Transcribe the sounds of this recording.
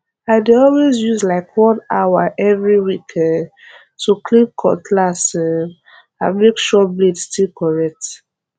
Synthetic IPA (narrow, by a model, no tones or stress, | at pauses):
aɪdeɔlwezjuzlaɪkwɔ̃nawaʔɛvɹiwikʰɛ̃nd | tʰuklĩpkʰɔ̰tʰlasɛ | amekʃɔbledstilkɔɹɛk̚t